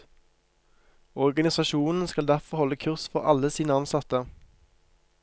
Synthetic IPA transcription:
ɔʁɡɑnɪsɑʃuːnn̩skɑld̪æʁfɔʁhɔlːəkʰʉʁsfɔʁɑ̰ləsiːnəɑnsɑt̪ə

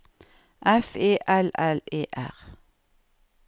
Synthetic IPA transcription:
ʔɛfeːʔɛlɛleːʔæ̰ʁ

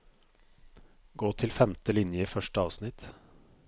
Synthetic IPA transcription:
ɡoːt̪ʰɪlfɛmt̪əlɪnjəfœʃʈəɑːʋsnɪt̪

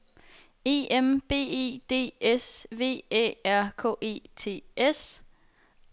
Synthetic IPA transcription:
e̝̰ːemb̥e̝̰ːe̝̰ːd̥e̝̰ːesʋe̝̰ːḛːæɐ̰kʰɔ̰ːʔe̝̰ːt͡sʰe̝̰ːes

